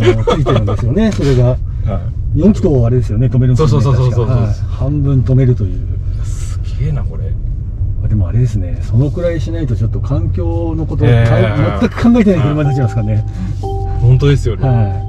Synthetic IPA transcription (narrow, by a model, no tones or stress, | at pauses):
ɨit̪enãnd̪e̞sɨjo̞ne̞so̞ɾe̞ɡa | ha | jõ̞ŋkʲi̥t̪o̞ːaɾe̞d̪e̞sɨjo̞ne̞t̪o̞meɾɯ̃nosoikaohãmbɯ̟̃nt̪o̞me̞ɾɯ̟t̪o̞jɯ̟ːjasɨ̥ɡ̥ʲeːnako̞ɾe | mad̪e̞mo̞aɾe̞d̪e̞sɨne̞so̞no̞kɯ̟ɾaiɕinait̪o̞t͡ɕot̪ːokʰãŋkʲo̞ːno̞ko̞t̪̬oamat̪ːakɯ̥kʰãŋɡae̞t̪enaikoɾmaɲit̪at͡ɕimasɨ̥kaɾne̞ | hõ̞nt̪od̪e̞sɨjona